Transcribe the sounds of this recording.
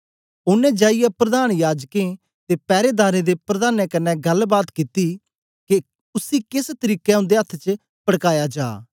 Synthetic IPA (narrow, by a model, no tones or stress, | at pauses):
ʊnẽːd͡ʒaːɪjapɾəd̪aːnjaːd͡ʒkẽ | t̪eːpɛːɾeːd̪aːɾeːd̪epɾɐd̪aːnẽkənːɛɡɐlbaːt̪kɪt̪i | ke | ʊsiːkɪst̪əɾiːkɛʊ̃nd̪eɐt̪ʰːt͡ʃə | pəɽkaːjad͡ʒa̰ː